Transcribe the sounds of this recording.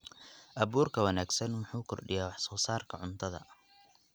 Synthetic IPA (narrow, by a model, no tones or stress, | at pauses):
ʔɐβuːrkʰɐwɐnaːɡsɐnwɑħuːkʰɔ̰rɖɪ̰jaːwɑħsɔːsaːrkʰɐʕʊnt̪ʰɐðɐ̰